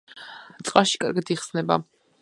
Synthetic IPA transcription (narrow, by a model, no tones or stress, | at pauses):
t̪sʼqʼaʃi̥kʼa̰ɾɡat̪ʰiχsnɛba